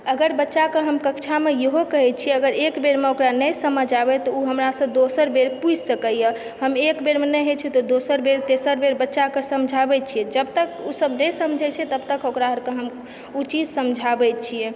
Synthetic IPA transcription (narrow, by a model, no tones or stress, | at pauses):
əɡəɾbətːʃakəɦəmkəkt͡ʃʰamejeɦokəɦɛt̪t͡ʃʰiɛəɡəɾekbeɾmeokɾanəjsəməd͡ʒʱabɛt̪ɔuɦəmɾasə̃d̪osəɾbeɾpud͡ʒʱsəkəjə | ɦəmekbeɾmenɛjɦet͡ʃʰɛt̪ɔd̪osəɾbeɾt̪esəɾbeɾbətːʃakəsəmd͡ʒʱabɛt͡ʃʰijɛd͡ʒəbt̪əkusəbnəjsəmd͡ʒʱɛt͡ʃʰɛt̪əb̚t̪əkokɾaɦəɾkə̃ɦəm | ut͡ʃid͡ʒʱsəmd͡ʒʱabɛt̪t͡ʃʰiɛ